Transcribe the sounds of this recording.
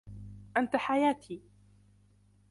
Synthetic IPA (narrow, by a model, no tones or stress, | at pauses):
ʔant̪aħajaːt̪ʰiː